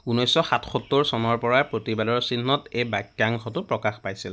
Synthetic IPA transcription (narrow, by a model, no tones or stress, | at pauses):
unɔjsɔxatʰxɔtːoɹsɔnɔɹpɔɹapɹotibadɔɹsinːɔtejbakːaŋxʰɔtʊpɹɔkaxpajsil